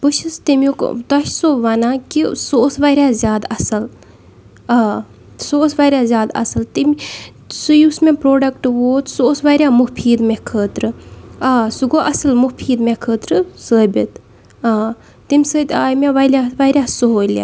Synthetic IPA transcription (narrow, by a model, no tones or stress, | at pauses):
bɨʃɨst̪imjukt̪ɐʃsoʋanaːkisoːsʋaːɾʲjaːzʲjaːd̪ɐsɐl | aː | soːsʋaːɾʲjaːzʲjaːd̪ɐ̰sɨlt̪imʲ | sujusmẽpɾoːɖɐkʈʋoːt̪soːsʋaːɾʲjaːmupʰiːd̪mekʰəːt̪ɾɨaːsuɡoʔɐsɐlmupʰiːd̪mekʰəːt̪ɾɨsəːbʲit̪ | aː | t̪imʲsəːt̪aːjmeʋaːlʲaːʋaːɾʲjaːsɨɦoːla̰ː